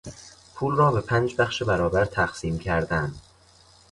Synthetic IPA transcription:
pʰuːlrɒːbe̞pʰænd͡ʒbæxʃebæɾɒːbæɾt̪ʰæxsiːmcʰæɾd̪ænd̪̥

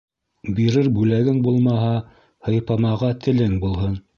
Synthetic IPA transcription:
biɾɘɾbʉlæɡɘŋbulˠmɑɦɑ | hɤ̆jpɑmɑʁɑt̪ʰɘ̆lɘŋbulˠɦɤn

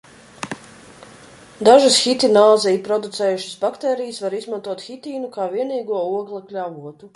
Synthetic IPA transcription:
d̪aʒɨsxit̪ʲinaːzɛjpɾɔd̪ut̪sɛːjuʃə̥sbakt̪ɛːɾijəsvaɾizmant̪uɔt̪xʲit̪ʲiːnukaːviɛniːɡuɔuɔɡlˠaklʲavuɔt̪u

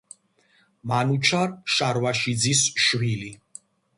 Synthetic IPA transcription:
manut͡ʃʰaɾʃaɾwaʃid̪zisʃwili

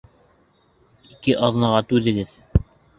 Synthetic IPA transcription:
ikɘʔɑðnɑʁɑt̪ʉðɘ̆ɡɘð

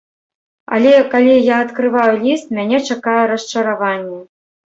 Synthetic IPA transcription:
a̰lʲɛkalʲijaːt̪kɾɨvajulʲist̪̚mʲanʲɛt͡ʂakajɛɾɐst͡ʂɐɾavanʲːɛ

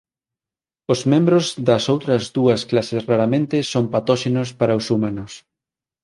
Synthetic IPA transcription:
ozmẽmbɾozðɐsowt̪ɾɐzðuɐsklasesraɾɐmẽnt̪esompat̪ɔʃenospaɾɐosumanʊs

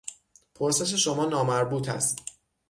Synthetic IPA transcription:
pʰoɾse̞ʃ̬e̞ʃo̞mɒːnɒːmæɾbuːt̪ʰæ̰st̪

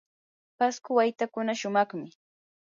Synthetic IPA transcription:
paskʊwajt̪akʊnaʃʊmɑχmɪ

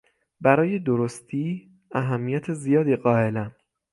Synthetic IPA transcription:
bæɾɒːje̞d̪oɾost̪ʰiː | æɦæmːijæt̪ʰe̞zijɒːd̪iːɢɒːe̞læm

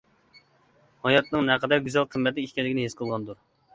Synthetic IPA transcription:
hɑjɑt̪nɨŋnɛqʰɛd̪ɛɾɡʲyzælqʰəmːɛt̪ɪiʃʲkʲɛlɪkʲnɪɦesqʰəlˠʁɑnd̪uɾ

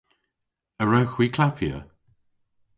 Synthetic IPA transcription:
əɹawxwiːkʰlapʰjə̰

